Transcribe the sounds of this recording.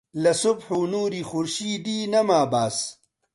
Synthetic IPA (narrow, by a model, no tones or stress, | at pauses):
lɐsubħunuːɾixuɾɕiːd̪iːnɐmaːbaːs